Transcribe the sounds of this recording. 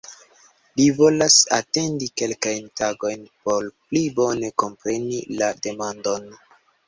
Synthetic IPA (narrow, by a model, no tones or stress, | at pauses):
livo̞lasa̰te̞ndike̞lkajntaɡo̞jnpo̞ɾplibo̞ne̞ko̞mpɾe̞nilade̞mando̞n